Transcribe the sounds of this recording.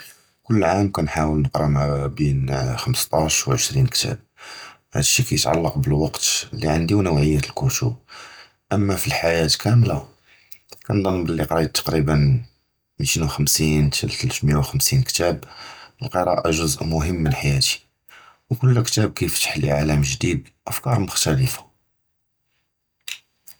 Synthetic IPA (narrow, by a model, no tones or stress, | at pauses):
kʊlːʕamkænħawəlnəqɾˤɑmæbinxəməst̪ˤɑʃwʕəʃɾinkt̪ʰæ̰b̚ | hæ̰d̪ʃːikæjət̪ʕa̰lːɑqbəlwɑqt̪lːiʕand̪inəwʕəjːæt̪əlkuʃṵb̚ | ʔəmːæfilħajæt̪kʰæmla | kænd̪ˤɑnlːiqɾˤɑd̪̚t̪ːɑ̥qɾibən | mit̪inwxəmsint̪ʰəlt̪əlt̪mjawxəmsinkt̪æbəlqəɾˤɑ̰ʔaʒʊzʔmʊɦəmːənħajæt̪i̥ | wkʊlːkt̪æb̚kæjəft̪ːə̥ħəlalæmʒd̪id̪ | ʔəfkɑɾˤmʊxt̪æləfḁ